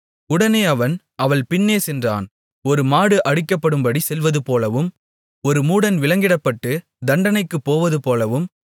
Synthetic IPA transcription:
ʊɽɐneːɐʋɐn | ɐʋɐɭpɪnːeːsɛndra̰ːn | ɔɾɯmaːɽɯʔɐɽɪkːɐpːɐɽɯmbɐɽisɛlʋɐðɯpoːlɐʋɯm | ɔɾɯmuːɽɐnʋɪlɐŋɡɪɽɐpːɐʈːɯ | d̪ɐɳɖɐnɐɪkːɯpːoːʋɐðɯpoːlɐʋɯm

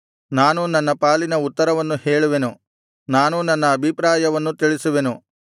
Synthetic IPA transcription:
naːnunɐnːɐpaːlinɐut̪ːɐɾɐʋɐnːuheːɭuʋenu | naːnunɐnːɐːbʱipɾaːjɐʋɐnːut̪iɭisuʋe̞nu

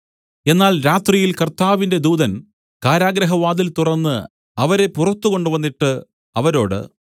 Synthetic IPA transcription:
e̞nːaːlɾaːt̪rijilkɐrt̪aːʋinde̞d̪uːðɐn | kaːɾaːɡɾɐɦɐʋaːd̪ilt̪urɐnːɨ | ɐʋɐɾe̞purɐt̪ːuɣo̞ɳɖɨʋɐnːiʈːɨ | ɐʋɐɾo̞̰ːɽɨ̰

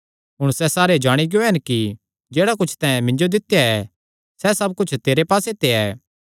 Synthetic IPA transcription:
ɦʊɽ̃sɛsaːɾed͡ʒaːɽ̃iɡɪjoɦɛnki | d͡ʒeːɽakʊt͡ʃʰt̪ãːɛ̃mɪ̃ɲd͡ʒod̪ɪt̪jaɛ | sɛsɐb̚kʊt͡ʃʰt̪eːɾepaːset̪eɛː

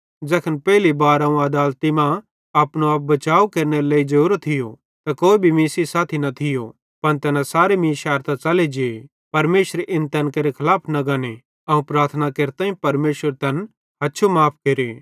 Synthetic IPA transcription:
d͡ʒɛkʰənpɛːlibaːɾɐũɐd̪aːlt̪imã | ɐːpnuɐːp̚bɐt͡ʃaːukeːɾneɾleːid͡ʒɐɾuːɾət̪ʰːɪjo | t̪akoːibʱimiːsisaːt̪ʰinɐt̪ʰɪjo | pɐnt̪ɛːnãsaːɾemĩːʃaːɾt̪at͡sɐled͡ʒɪe | pɐɾmeːʃəɾeʔɪnt̪ɛnkɐɾekʰɐlaːpʰnɐɡane | ɐũpɾaːɾt̪ʰənakeːɾt̪ãːĩpɐɾmeːʃəɾt̪ɛn | ɦɐtːʃʰomaːpʰkeːɾeː

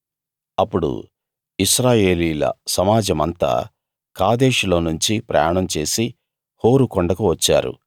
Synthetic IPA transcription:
ɐpːuɽṵ | iʃɾaːjeːliːlɐ̰sɐmaːd͡ʒɐmɐnt̪a̰ː | kaːd̪e̞ːʂulo̞ːnuɲt͡ʃipɾɐ̰jaːɳɐmt͡ʃe̞ːsi | ho̞ːɾukɔɳɖɐkuʋɐt͡ʃːa̰ːɾṵ

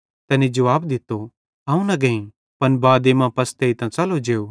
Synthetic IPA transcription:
t̪ɛːnid͡ʒɐʋaːbd̪ɪt̪ːo | ɦɐ̃ːũnɐɡɐ̃ĩ | pɐnbaːd̪emãpɐst̪eit̪ãt͡sɐlod͡ʒeːoː

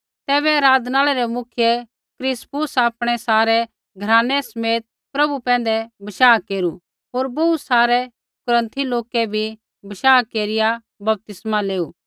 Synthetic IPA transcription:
t̪ɛːβɛɐɾaːd̪naːɭɛɾɛmʊkʰɪjɛ | kɾɪspʊsapɽ̃ɛsaːɾɛ | ɡʱɐɾãːnːɛsɐmeːt̪̚ | pɾɐbupɛ̃ːn̆d̪ɛbɐʃaːkeːɾu | ɦoːɾbousaːɾɛ | kʊɾə̃nt̪ʰiloːkɛbʱi | bɐʃaːkeːɾɪja | bɐp̚t̪ɪsmaleːuː

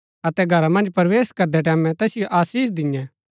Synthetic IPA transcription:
ɐt̪ɛɡʱɐɾamɐ̃nd͡ʒpɐɾʋeːskɐɾd̪ɛʈ̬ɛːmɛ̃t̪ɛːsɪjoʔaːsiːs̬d̪ɪ̃ɛ̃

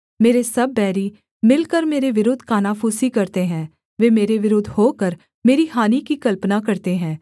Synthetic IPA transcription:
meːɾesəbːɛːɾiː | mɪlkəɾmeːɾeʋɪɾoːd̪ʱkaːnaːpʰuːsikəɾt̪eɦɛ̃ː | ʋeːmeːɾeʋɪɾoːd̪ʱhoːkəɾ | meːɾiːɦaːniːkikəlpnaːkəɾt̪eɦɛ̃ː

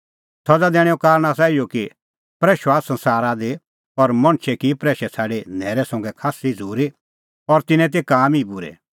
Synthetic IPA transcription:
t̪ʰɔd͡zad̪ɛːɽ̃ɛokaːɾɽ̃asaːijoki | pɾɛːʃoasɐ̃nsaːɾad̪e | ɔɾmɐ̃ɽ̃t͡ʃʰɛkipɾɛːʃɛt͡sʰaːɖenɛːɾɛsɐ̃ŋɡɛkʰaːsid͡zʱuːɾi | ɔɾt̪ɪnɛ̃t̪̬ekaːmibʊɾɛ̰

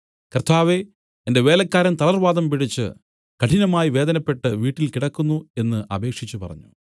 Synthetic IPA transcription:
kɐrt̪ʰaːʋe̞ | ende̞ʋe̞ːlɐkːaːɾɐnt̪ɐlɐrʋaːd̪ɐmpiɽit͡ɕːɨ̰ | kɐʈʰinɐmaːjiʋe̞ːd̪ɐnɐpːe̞ʈːɨʋiːʈːilkiɽɐkːunːue̞nːɨʔɐbe̞ːkʂit͡ɕːupɐ̰rɐ̰ɲːṵ

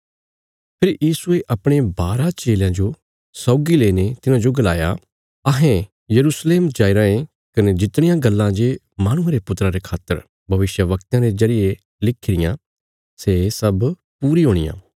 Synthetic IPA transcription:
pʰɪɾjiːsueʔɐpɽ̃ebaːɾat͡ʃeːljãd͡ʒo | sɔːɡileːnet̪ɪnãd͡ʒoɡɐlaːja̰ | ɐɦɛ̃ | jɐɾuːsleːmd͡ʒaːiɾãːẽ | kɐned͡ʒɪt̪ɽ̃ɪjãɡɐlːãd͡ʒe | maːɽ̃ʊ̃ãɾepʊt̪ɾaɾekʰaːt̪ːəɾ | bʱɐʋɪʃjəʋɐkt̪ãɾezɐɾɪje | lɪkʰɪɾɪjã | sesɐb | puːɾiɦoːɽɪjã̰ː

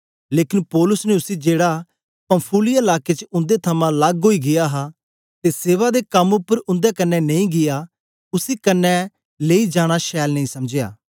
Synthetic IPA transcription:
leːkɪnpɔːlʊsneʊsid͡ʒeːɽa | pə̃mpʰuːlɪijɪlaːket͡ʃʊ̃nd̪et̪ʰɐmãlɐɡɦoːiɡɪjaːɦa | t̪eseːʋad̪ekɐmʊpːəɾʊ̃nd̪ekɐnːɛnɐ̃ĩɡɪja | ʊsiːkɐnːɛ | leːid͡ʒaːɽ̃aʃɛːlnəĩːsɐmd͡ʒeja̰ː

